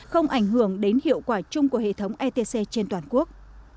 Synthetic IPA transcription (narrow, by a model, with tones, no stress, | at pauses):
xə˧wŋ͡mʔa˧˩jŋ̟hɨ˧˩əŋɗe˨˦nhḭ˧˨əwkwaː˧˩t͡ɕʊ˧ŋ͡mku˧˩əhḛ˧˨t̪ʰə˨˦wŋ͡mʔɛ˧t̪e˧se˧t͡ɕe˧nt̪waː˨˩nku˦˥ək̚